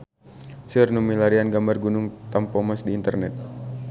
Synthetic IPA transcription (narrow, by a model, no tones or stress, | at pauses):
sirnumilaɾianɡambarɡunʊŋt̪ampɔmasdiːnt̪ərnɛt̪̚